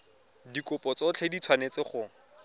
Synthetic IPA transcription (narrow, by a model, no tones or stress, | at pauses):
dikʊpɔt͡sɔt͡ɬʰedit͡sʰwanet͡sɪχʊ